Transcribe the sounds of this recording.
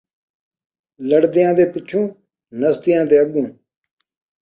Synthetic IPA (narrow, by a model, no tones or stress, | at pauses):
ləɽd̪ɪjãːd̪eːpɪt͡ʃʰːũː | nəst̪ɪjãːd̪eːəɡũː